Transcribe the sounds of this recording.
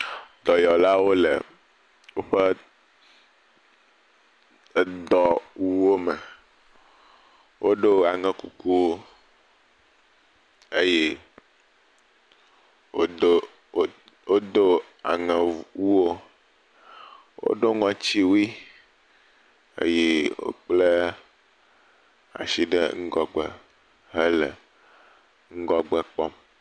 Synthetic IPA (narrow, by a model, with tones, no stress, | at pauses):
d̪ɔ˨jɔ˨la˦wo˦lɛ̰˨ | wo˦ɸɛ˦˨ | d̪ɔ˨wu˦wo˦mɛ˨ | wʔo˦ɖo˦a˨ŋɛ̃˦ku˨ku˦wo˦ | e˦je˦ | wo˦o˦ | wo˦d̪o˦ | a̰˨ŋɛ̃˨wu˦wo˦ | wo̰˦ɖo˦ŋɔ̃˨t͡ɕi˦wi˦ | ḛ˦je˦wo̰˦k͡ple˦ | a̰˨si˦ɖɛ̰˦ŋ̩˦ɡɔ˦˨ɡ͡bɛ˨ | ɦɛ˦lɛ˨ | ŋ̩˦ɡɔ˦ɡ͡bɛ˦k͡pɔ˦m